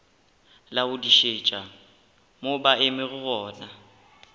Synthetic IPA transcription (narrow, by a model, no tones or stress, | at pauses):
laʊdiʃet͡ʃʼa | mobaɪmɪɣʊɣɔːna